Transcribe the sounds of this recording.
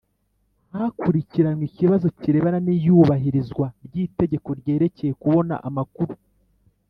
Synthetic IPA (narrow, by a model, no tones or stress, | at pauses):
akuɾiciɾanwiciβazo̞ciɾe̞ːβananijuːβaɦiɾizɡwaɾɟiːte̞ɟe̞ko̞ɾɟe̞ːɾe̞ce̞je̞kuβo̞na̰ʔamakuɾu